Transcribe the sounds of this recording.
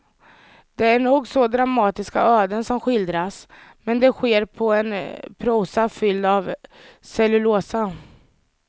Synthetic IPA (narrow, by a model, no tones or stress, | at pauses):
d̪̥ɛæɳuːɡsɔd̪ɾamɑːt̪ɪskaøːd̪ənsɔmɧɪld̪ɾasmɛnd̪ɛɧeːɾpʰɔɛnpʰɾuːsafʏld̪avsɛlɵloːsa